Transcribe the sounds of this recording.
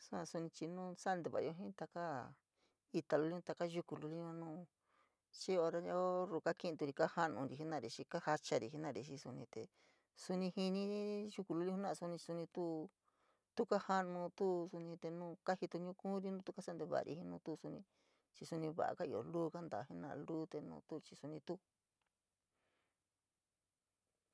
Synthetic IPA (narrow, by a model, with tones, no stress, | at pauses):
su˦ã˧su˧nĩ˧t͡ʃi˧nũː˦˧sa˦˧nd̪e˧˨βa̰˨˧o˧ɦĩ˦t̪a˧ka˦ | i˧t̪a˨˧lu˧˦lĩ˦˧t̪a˧ka˦ʒu˧ku˧lu˧li˦ɲ˧ã˧nũː˦˧ | t͡ʃi˦o˧ɾa˧˦ja˦o˦ɾu˧˨ka˦ki˦˧nt̪u˧ɾi˧ka˦ha˦nũ˧ɾi˧˨i˦nã˧ɾi˧ʃi˧ka˦ha˧t͡ʃa˧ɾi˨˧ɦi˧˦nã˦˨ɾi˧ʃi˧su˧nĩ˧t̪e˧ | su˧nĩ˧hi˧nĩ˧i˦ʒu˧ku˧lu˧li˦u˦nã˦˧su˧nĩ˧t͡ʃi˧su˧nĩ˧t̪u˦ | t̪u˦ka˦ha˦nũ˧t̪u˦su˧nĩ˧t̪e˧nũː˦ka˦hi˧t̪u˧ɲũ˦kũ˦ɾi˧nũː˦t̪u˦ka˦a˦nd̪e˧βa̰˨˧ɾḭ˧hi˧˦nũ˧˦t̪u˦˧su˧nĩ˧ | t͡ʃi˧su˧nĩ˧βa̰˨ʔa̰˧ka˦i˧˨o̰˨luː˦˧ka˦nd̪a˨hi˦nã̰˧lu˦t̪e˧nṵ̃ː˧t̪u˦t͡ʃi˧su˧nĩ˧t̪u˦